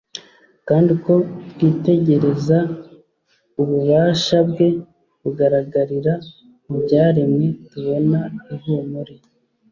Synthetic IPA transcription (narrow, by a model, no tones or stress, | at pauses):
kaːndiko̞tɡwiːte̞ɟe̞ɾe̞za | uβuβaːʃabɡe̞ | βuɡaɾaɡaɾiɾa | mubɟaːɾemŋetuβo̞naiɾumuɾe